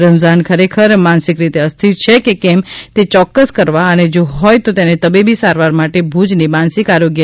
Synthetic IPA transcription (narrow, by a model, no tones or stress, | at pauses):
ɾəmzankʰəɾekʰəɾmansɪkɾit̪eəst̪ʰit̪t͡ʃʰekekɛmt̪et͡ʃɔkːəskəɾʋaəned͡ʒoɦɔjt̪ot̪enet̪əbibisaɾʋaɾmaʈebʱud͡ʒnimansɪkaɾoɡjə